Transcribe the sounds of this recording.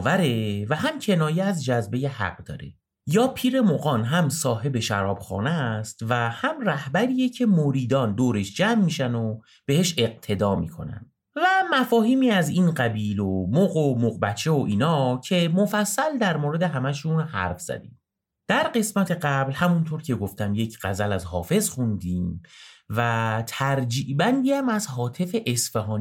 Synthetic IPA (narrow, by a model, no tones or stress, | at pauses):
væɾe̞væɦæmcʰe̞nɒːjeæzd͡ʒæzbe̞jehæ̰ɢd̪ɒ̰ːɾḛ | jɒːpʰiːɾe̞moɣɒːnɦæmsɒːɦe̞beʃæ̰ɾɒ̰ːb̥xɒ̰ːnæst̪væhæmræhbæɾiːjecʰe̞moɾiːd̪ɒːnd̪oːɾe̞ʃd͡ʒæmːiʃæno̞ | b̥e̞he̞ʃe̞q̚t̪ʰe̞d̪ɒːmḭːkʰo̞̰næ̰nd̪ | væmæfɒːhiːmiːæziːnɢæbiːlomoɣomoqbæt͡ʃʰːe̞oʔiːnɒːcʰe̞mofæsːæld̪æɾmoːɾe̞d̪e̞ɦæmæʃunhæ̰ɾfz̥æ̰d̪ḭm | d̪̥æɾɢe̞smæt̪ʰe̞ɢæblhæmunt̪ʰoːɾcʰe̞ɡo̞ft̪æmjecʰɢæzælæzɦɒ̰ːfe̞zxund̪iːmvæt̪ʰæɾd͡ʒiːʔbænd̪iːæmæzɦɒːt̪ʰe̞feʔesfeɦɒːn